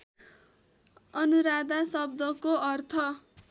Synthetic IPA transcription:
ʌnuɾad̪asʌb̚d̪ʌkoʌrt̪ʰʌ

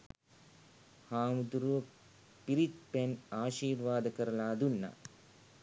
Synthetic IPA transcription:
haːmud̪uɾuʋɐ | piɾit̪̚penaːʃiːɾʋaːd̪ɐkɐɾɐlaːd̪unːa̰

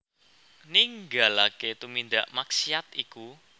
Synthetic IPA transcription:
niŋɡalaket̪umind̪aʔmaksiat̪iku

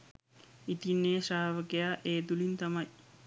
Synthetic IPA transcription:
it̪inːeːsaːʋəkejaːʔeːt̪ulint̪amɐj

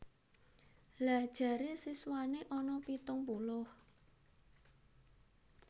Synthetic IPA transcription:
lad̥ʒ̥ä̤ɾesiswaneʔɔnɔpit̪ʊŋpulʊh

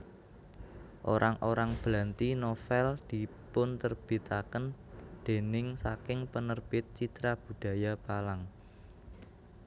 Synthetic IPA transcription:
ʔoɾʔaŋʔoɾaŋb̥lant̪inofɛld̪̥i̤ | pʊnt̪ərb̥i̤t̪akənd̪̥e̤nɪŋsakɪŋpənərb̥ɪt̪̚t͡ʃit̪ɾab̥ṳɖ̥ä̤japalaŋ

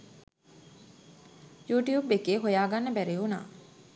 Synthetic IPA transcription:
juːʈijuːbekːeːɦojaːɡanːəbæɾeuna̰ː

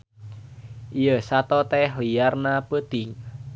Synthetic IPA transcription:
ʔijəsat̪ɔt̪ɛɦliarnapət̪ɪŋ

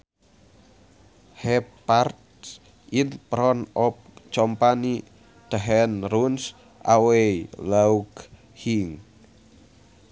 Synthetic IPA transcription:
hɛpart̪̚ | ʔinpɾɔnɔp̚t͡ʃɔmpani | d̪̥əɦɛnruns | ʔa̰weilauk | hiŋ

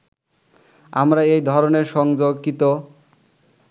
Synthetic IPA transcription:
a̰mɾaejd̪ʱɔɾoneɾʃɔŋd͡ʑoɡkit̪o

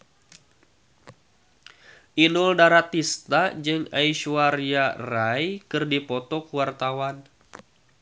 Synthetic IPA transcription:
ʔinʊldaɾat̪ist̪ad͡ʒɨŋajʃuariarajkɨrdipɔt̪ɔkuwart̪awan

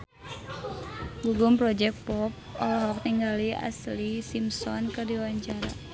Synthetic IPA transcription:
ɡuɡumpɾɔd͡ʒɛk̪̚pɔp̚ɔ̰lɔɦɔk̚t̪iŋɡalia̰slisimsɔnkɨrdiwaɲt͡ʃaɾa̰

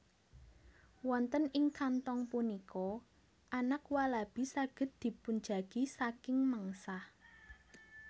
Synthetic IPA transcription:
wɔnt̪ənɪŋkant̪ɔŋpunikɔ | ʔanakwalab̥i̤saɡ̥ə̤t̪̚d̪̥i̤pun̥d͡ʒa̤ɡ̥isakɪŋməŋsah

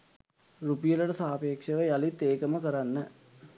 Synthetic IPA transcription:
rupijəlɐʈəsaːpeːkʂəʋəjalit̪eːkəməkəɾanːə

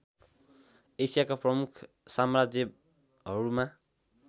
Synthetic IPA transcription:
esijakaprʌmukʰ | samrad͡zjʌ | ɦʌɾuma

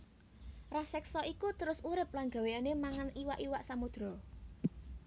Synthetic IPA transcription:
rasɛksɔʔikut̪əɾʊsuɾɪp̚lanɡa̤weanemaŋanʔiwaʔiwaʔsamod̪̥ɾɔ

